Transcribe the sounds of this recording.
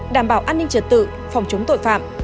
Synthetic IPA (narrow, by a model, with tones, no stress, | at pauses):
ɗaː˧˩mɓaː˧˩wʔaː˧nːï˧ŋ̟t͡ɕə˨˩t̚t̪ɨ̰˧˨ | fɔ˨˩wŋ͡mt͡ɕə˨˦wŋ͡mt̪o̰˧˨jfa̰ː˧˨m